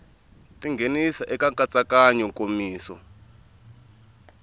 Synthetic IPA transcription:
tiŋɡʱenisaʔɛkaŋkʼat͡sʼakaɲɔŋkʼomiːsɔ̰

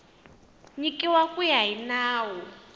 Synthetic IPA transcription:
ɲikʼiwakʼujainaːwɔ

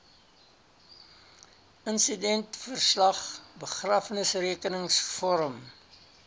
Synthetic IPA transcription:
ənsidɛntfərslɐχbəχraːfnəsriəkənəŋsfɔɾəm

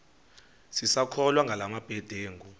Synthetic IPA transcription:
sisakʰɔlwaŋɡʱalamab̥ʱɛd̥ʱeːŋɡʱu

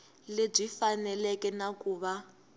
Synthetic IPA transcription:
leb͡ʐifanɛlɛkɛnakuːβa

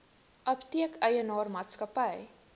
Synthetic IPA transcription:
ʔɐptiəkʰœjənɑːrmɑːtskɐpəj

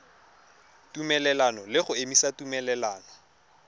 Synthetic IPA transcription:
tumɛlɛlanɔlɪχʊemisatumɛlɛlaːnɔ

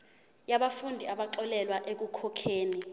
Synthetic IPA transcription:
jaɓafundʱiaɓaǁɔlɛlwaʔek̬ukʰɔkʰeːni

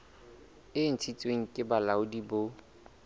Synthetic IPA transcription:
ɪn̩t͡sʰit͡sʼweŋ̩kʼɪbalaʊdibo

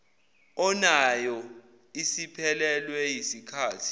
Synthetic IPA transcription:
ɔnajɔ | isipʰɛlɛlwɛjisikʰaːtʰi̥

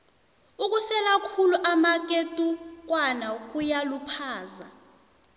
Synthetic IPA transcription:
uk̬ʼusɛlakʰuluʔamak̬ʼetʼuk̬wanak̬ʼujalupʰaːza

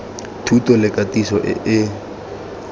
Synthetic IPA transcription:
tʰutʼɔlɪkʼatʼisɔʔɪ̰ʔɪ

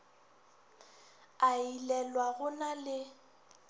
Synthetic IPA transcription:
ailɛlwaɣʊnalɪ

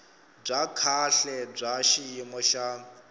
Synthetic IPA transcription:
b͡ʐʷakʰaɬɛb͡ʐʷaʃijimɔʃa

